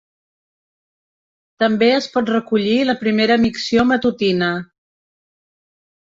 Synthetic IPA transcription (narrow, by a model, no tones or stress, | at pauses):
t̪əmbeəspɔt̪rəkuʎiləpɾimeɾəmiksiomət̪ut̪inə